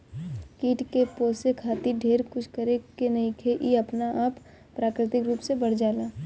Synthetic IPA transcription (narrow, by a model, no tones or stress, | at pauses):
kiːʈkepoːsekʰaːt̪iɖʱeːɾkʊt͡ʃʰkəɾekenɐĩkʰeʔiɐpnaʔaːpː | ɾaːkɾɪt̪ɪkɾuːpsebɐɽ̤d͡ʒaːlaː